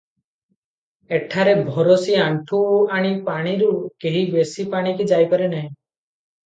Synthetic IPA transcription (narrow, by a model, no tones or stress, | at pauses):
eʈʰaɾebʱɔɾosiaɳʈʰuaɽ̃ipaɽ̃iɾukeɦibesipaɽ̃ikid͡ʒajpɔɾenaɦĩ